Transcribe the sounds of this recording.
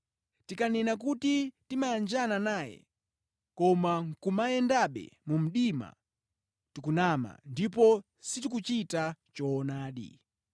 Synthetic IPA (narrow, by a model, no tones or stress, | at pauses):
tikanɛnak̬utitimajand͡ʒananaːjɛ̰ | kɔmaŋ̩kumajɛndaɓɛ̰mum̩ɗima̰ | tikunama̰ndip̬ɔ | sitik̬ut͡ʃitat͡ʃɔːnaːɗḭ